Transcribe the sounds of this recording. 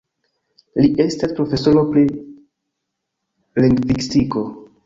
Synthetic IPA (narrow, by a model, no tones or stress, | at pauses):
liʔe̞staspɾo̞fe̞soɾo̞pli | liŋɡvikstiko